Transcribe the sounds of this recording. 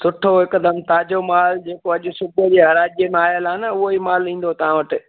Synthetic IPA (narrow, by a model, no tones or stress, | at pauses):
sʊʈʰoɦɪkd̪əmt̪aːd͡ʑomaːld͡ʑeːkoɐʄʊ̆sʊbʱjəd͡ʑeːɦɐɾaːd͡ʑijəmẽaːjəlaːnɐʊɦoimaːlĩːn̆d̪ot̪ɐʋ̤ãʋɐʈɪ̆